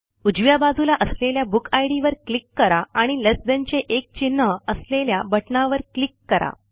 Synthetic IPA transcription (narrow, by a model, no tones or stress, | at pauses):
ud͡ʑʋjabad͡zulaʔəsleljabukʰajɽiʋəɾklikːəɾaaɽ̃iləsd̪ənt͡ɕeʔek̚t͡ɕinːəəsleljabəʈɳaʋəɾklikːəɾa̰